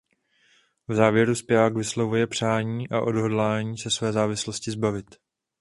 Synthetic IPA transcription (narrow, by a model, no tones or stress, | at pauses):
vzaːvjɛɾuspɪaːkvɪslovujɛpr̝̥aːɲiːʔaʔo̞dɦo̞dlaːɲiːsɛsvɛːzaːvɪslo̞scɪzbavɪt̪